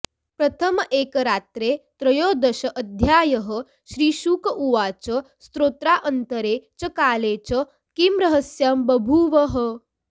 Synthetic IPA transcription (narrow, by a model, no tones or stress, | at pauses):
pɾɐt̪ʰəmʔeːkəɾaːt̪ɾeːt̪ɾɐjoːd̪ɐʃɐʔəd̪ʱjaːjɐɦə̆ | ʃɾiːʃukəʔuʋaːt͡ʃəst̪ɾoːt̪ɾaʔənt̪əɾeːt͡ʃɐkaːleːt͡ʃə | kimɾɐɦəsjaːmbɐbʱuʋɐɦə̆